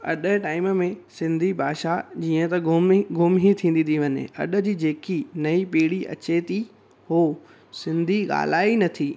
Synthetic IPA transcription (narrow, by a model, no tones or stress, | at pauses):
ɐ̰ɗəʈaːɪmmẽsɪ̃nd̪ʱibʱaːʃad͡ʑiːə̃t̪ɐmɡʱʊmɦit̪ʰĩːn̆d̪it̪iʋɐɲḛɐ̰ɗə̆d͡ʑiːd͡ʑeːkinɐipiːɽiɐ̰t͡ɕet̪ʰi | ho | sɪ̃nd̪ʱiɠa̰ːl̤aːinɐt̪ʰiː